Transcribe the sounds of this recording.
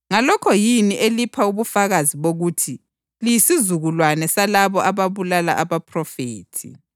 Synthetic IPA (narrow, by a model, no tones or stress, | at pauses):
ŋalɔkʰɔjiniʔelipʰauβufaɣaziβoɣuːtʰi | lijisizuɣulwanɛsalaβɔʔaβaβulala̰ʔaβapʰrɔfeːtʰḭ